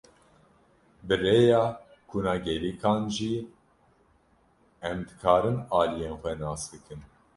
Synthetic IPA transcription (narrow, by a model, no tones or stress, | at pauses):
bɨreːjɑː | kʰunɑːɡɛliːkʰɑːnʒi | ɛmd̪ɨkʰɑːɾɨnɑːlijeːnxʷɛnɑːsd̪ɨkʰɨn